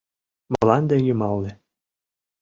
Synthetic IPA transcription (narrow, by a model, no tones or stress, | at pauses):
mɑlɑnd̪ejymɑlnĕ